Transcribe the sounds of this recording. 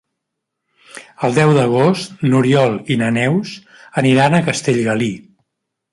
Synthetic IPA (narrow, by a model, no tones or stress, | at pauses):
əlˠd̪ɛwd̪əɣ̞ost̪nuɾiɔlˠinənɛwz | əniɾanəkəst̪eʎɣəli